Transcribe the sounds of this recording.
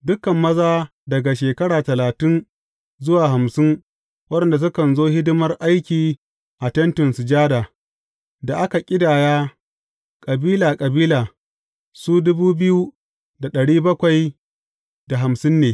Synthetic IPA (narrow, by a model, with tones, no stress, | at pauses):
dʊ˦kːɐ˨mːɐ˦zaː˦ | dɐ˨ɡa˨ʃeː˨kɐ˦ɽaː˨tɐ˨laː˨tɪ˦n | zʊ˦waː˨ɦa˨msɪ˦ŋ | wɐ˦ɗɛ˨nda˨s̬ʊ˦kɐ˨nzoː˦hɪ˦dʊ˦mɐ˦rʔa˦jkʲiː˨ | ʔa˨tɐ˦ntɪ˨nsʊ˨d͡ʒaː˦daː˨ | da˨ʔa˦ka˨kʲʼɪ˦daː˨jaː˦ | kʼɐ˨biː˦laː˨kʼɐ˨biː˦laː˨ | suː˦dʊ˦buː˦bɪ˦ju˦ | da˨ɗɐ˨ɽiː˦bɐ˦kʷa˨j | da˨ɦa˨msɪ˦nːeː˨